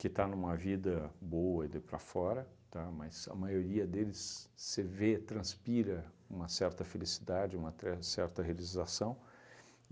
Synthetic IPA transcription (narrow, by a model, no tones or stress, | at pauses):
kɪt̪anũmɐvid̪ɐboɐid̪ɪpɾɐ̰fɔɾɐt̪amɐzɐ̰majoɾiɐd̪elɪsːɪvet̪ɾɐ̃spiɾɐ | ũmɐsɛɾt̪ɐfelisid̪ad͡ʒɪũmɐt̪ɾɛsɛɾt̪ɐɦealizasɐ̃w̃